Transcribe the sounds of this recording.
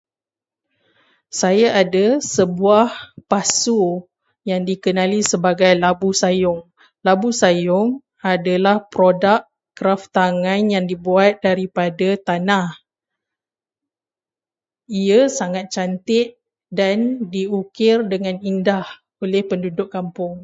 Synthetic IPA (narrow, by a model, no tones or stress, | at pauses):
sajaʔadasəbuahpasu | jaŋdikənãlisəbaɡajlabusajʊŋ | labusajʊŋ | adalahpɾodaʔ | kːɾaft̪aŋãnjaŋdibuat̪̚daɾipadat̪anah | iəsaŋat̪̚t͡ʃant̪ɪʔ | dandiukɪrdəŋãnindah | olɛhpəndudʊkːampʊŋ